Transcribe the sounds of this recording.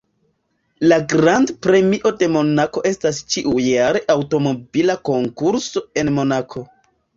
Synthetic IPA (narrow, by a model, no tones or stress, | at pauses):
laɡɾandpɾe̞miʔo̞de̞mo̞nako̞ʔe̞stast͡ʃiʔujjaɾe̞ʔawto̞mo̞bilako̞ŋkuɾso̞e̞nmo̞nakʰo̞